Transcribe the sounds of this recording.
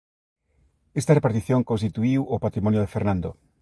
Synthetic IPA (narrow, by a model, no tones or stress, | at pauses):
est̪arepaɾt̪iθjõŋkonst̪it̪uiwopat̪ɾimɔnjoðefeɾnãnd̪o